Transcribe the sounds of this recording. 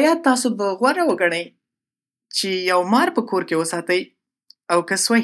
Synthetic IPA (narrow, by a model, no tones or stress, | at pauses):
jɑt̪̚t̪ːɑsobəɣwaɾawəɡaɽ̃əj | t͡ʃejawmɑɾpəkoɾkewəsɑt̪əj | awkəswa